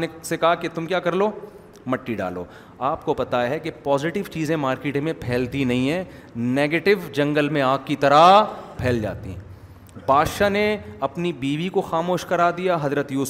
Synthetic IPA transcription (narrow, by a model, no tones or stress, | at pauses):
nesekɐɦaket̪ʊmkjaːkɐɾloː | mɐʈːiɖa̰ːlo̰ː | aːpkopɐt̪aɦɛkepɔːzɪʈɪʋt͡ʃiːzẽmaːɾkeːʈmẽpʰɛːlt̪inɐɦĩɦɛ̃ː | neːɡeːʈɪʋd͡ʒɐ̃ŋɡəlmẽaːkkːit̪ɐɾapʰɛːld͡ʒa̰ːt̪ḭɦɛ̃ | bʱaːd̪ʃaneɐpnibiːʋikoxaːmoːʃkɐɾaːd̪ijaɦɐzɾət̪juːs